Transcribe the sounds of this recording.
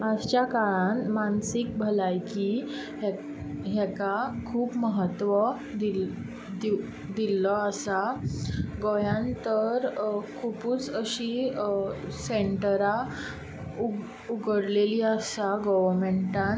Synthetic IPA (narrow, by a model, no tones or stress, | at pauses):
ad͡ʑt͡ɕakaɭãnmansik̚bʱəlajki | ɦjɛkakʰuːpməɦət̪ʋə | d̪i | d̪i | d̪ilːɔəsa | ɡɔjãnt̪əɾkʰupuːt͡səɕi | seɳʈəɾa | u | uɡəɽleliəsaɡɔʋəɾmeɳʈãn